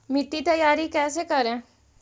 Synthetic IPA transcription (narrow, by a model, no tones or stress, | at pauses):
mɪʈ̪ːit̪ɐjaːɾikɛːsekɐɾẽ